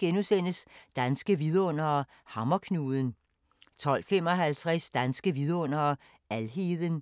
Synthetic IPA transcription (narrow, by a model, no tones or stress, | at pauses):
ɡ̥enusen̰əsd̥ænsɡ̥əʋiðˠɔ̽n̰ɐː | hɑ̈mɐkʰnuːðˠən | t͡sʰɒ̽l̰fem̰ɒ̽ɦælt͡sʰʁɛsd̥ænsɡ̥əʋiðˠɔ̽n̰ɐː | ælɦeːðˠən